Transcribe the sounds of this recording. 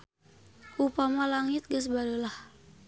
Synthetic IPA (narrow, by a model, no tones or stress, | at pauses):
upamalaŋit̪̚ɡəsbadəlah